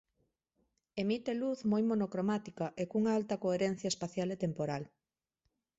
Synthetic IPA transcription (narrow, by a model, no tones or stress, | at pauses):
emit̪eluθmojmonokɾomat̪ikɐʔekuŋaalt̪ɐkoeɾen̟θjɐespaθjalet̪empoɾal